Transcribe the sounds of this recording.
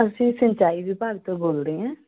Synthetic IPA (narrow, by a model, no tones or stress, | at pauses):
əsĩːsə̃ɲt͡ʃaːibipaːɡ̚t̪oboːlɾiːɛ̃ː